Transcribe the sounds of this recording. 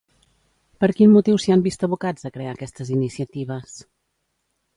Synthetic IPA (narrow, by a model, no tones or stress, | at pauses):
pəɾkinmut̪iwsiambist̪əβukad͡zəkɾeakɛst̪əzinisiət̪iβ̞əs